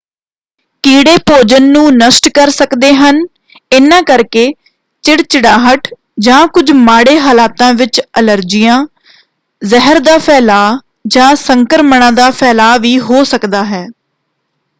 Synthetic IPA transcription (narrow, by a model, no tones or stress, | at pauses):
kiːɽeːpoːd͡ʒənːũːnəsʈkəɾsəkd̪eːɦən | ɪnãːkəɾkeː | t͡ʃɪɽt͡ʃɪɽaːɦəʈ | d͡ʒãːkʊd͡ʒmaːɽeːɦaːlaːt̪ãːʋɪt͡ʃələɾd͡ʒɪjãː | zəɦəɾd̪aːpʰɛːlaː | d͡ʒãːsəŋkəɾməɳãːd̪aːpʰɛːlaːʋiːɦoːsəkd̪aːɦɛː